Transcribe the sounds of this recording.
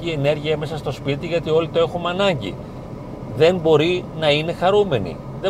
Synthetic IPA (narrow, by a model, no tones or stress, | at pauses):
ie̞ne̞ɾʝiɐme̞sɐst̪ospit̪iʝɐt̪io̞lit̪o̞e̞xumɐnɐɲɟḭ | ðe̞mbo̞ɾinɐine̞xɐɾume̞nḭ | ðe